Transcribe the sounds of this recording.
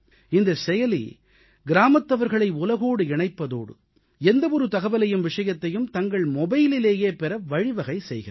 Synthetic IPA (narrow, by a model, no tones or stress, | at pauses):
ɪnd̪ɐsɛjɐlḭ | ɡɪɾaːmɐt̪ːɐʋɐɾɣɐɭɐɪʊlɐɣoːɽɯɪɳɐɪpːɐðo̰ːɽɯ̰ | ɛnd̪ɐʋɔɾɯt̪ɐɣɐʋɐlɐjɯmʋɪʂɐjɐt̪ːɐjɯmt̪ɐŋɡɐɭmɔbɐjɪlɪleːjeːpɛɾɐʋɐɻɪʋɐɣɐɪsɛjɣɪrɐ